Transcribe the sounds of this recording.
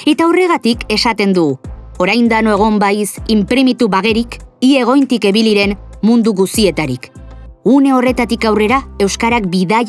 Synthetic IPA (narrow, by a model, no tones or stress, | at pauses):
e̞t̪aore̞ɣat̪ike̞sat̪e̞nd̪uɣu | o̞ɾajnd̪anoeɣ̞o̞mbajsimpɾimit̪uβaɣe̞ɾikie̞ɣ̞o̞jnt̪ike̞βiliɾe̞nmund̪uɣust̪ie̞t̪aɾik | une̞o̞re̞t̪at̪ikawre̞ɾae̞wskaɾakbiðaʎ